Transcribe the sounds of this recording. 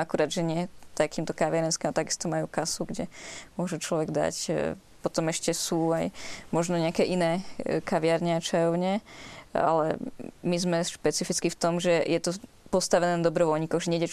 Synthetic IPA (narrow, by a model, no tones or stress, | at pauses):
akuɾad̪ʒɛɲɪɛt̪akiːmt̪ɔkaʋɪaɾɛnskiːmat̪aɡist̪ɔmajuːkasuɡɟɛmʊɔʒɛt͡ʃlɔʋɛɡd̪a̰c | pɔt̪ɔmɛʃcɛsuːajmɔʒnɔɲɛakɛːʔinɛːkaʋɪaɾɲɛat͡ʃajɔʊɲɛ | a̰lɛ̰mizmɛʃpɛt͡sifit͡skift̪ɔmʒɛjɛt̪ɔ | pɔst̪aʋɛnɛːnad̪ɔbɾɔʋɔlɲikɔɣʒɛɲɛdɛ